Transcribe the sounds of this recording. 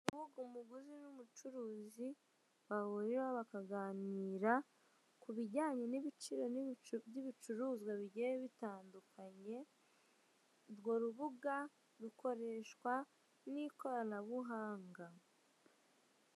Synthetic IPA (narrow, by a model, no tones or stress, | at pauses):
uβuɡumuɡuzinumut͡ʃuɾuːzi | βaβuɾiɾaβakaɡaːniːɾa | kuβiɟaːɲe̞niβit͡ʃiɾo̞nbjiβit͡ʃuɾuːzɡwaβiɟejeβitaːndukʰaɲe̞ | ɾɡoɾuβuɡa | ɾuko̞ɾe̞ʃkwa | niko̞ɾanaβuɦaːŋɡa